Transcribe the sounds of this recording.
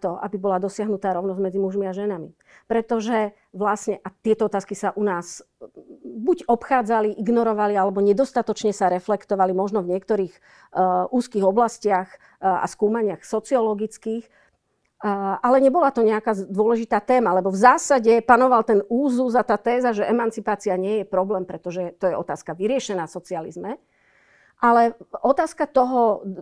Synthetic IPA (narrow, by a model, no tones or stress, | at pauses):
t̪ɔʔa̰bibɔlad̪ɔsɪaɦnut̪aːɾɔʊnɔzɟmɛd͡zimuʒmiaʒɛnamḭ | pɾɛt̪ɔʒɛ | ʋlasɲɛʔat̪ɪɛt̪ɔɔt̪aːskisaʔunaːs | buɟɔpxaːd͡zaliʔiɡnɔɾɔʋalialɛbɔɲɛd̪ɔst̪at̪ɔt͡ʃɲɛsaɾɛflɛkt̪ɔʋalimɔʒnɔvɲɪɛkt̪ɔɾiːx | ʔuːskiːɣɔblascɪax | a̰skuːmaɲɪaxsɔt͡siɔlɔɡit͡skiːx | ʔalɛɲɛbɔlat̪ɔɲɛakaːd̪ʊɔlɛʒit̪aːt̪ɛːmalɛbɔvzaːsaɟɛpanɔʋalt̪ɛnuːzuzat̪aːt̪ɛːzaʒɛʔɛmant͡sipaːt͡siaɲɪɛjɛpɾɔblɛːmpɾɛt̪ɔʒɛt̪ɔjɛɔ̰t̪aːskaʋiɾɪɛʃɛnaːsɔt͡sialḭzmɛ | ʔalɛʔɔt̪aːskat̪ɔɦɔ